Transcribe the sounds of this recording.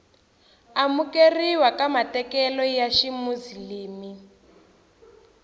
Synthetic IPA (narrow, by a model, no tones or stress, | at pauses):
amukeriwakamatɛkɛlɔjaʃimuziliːmi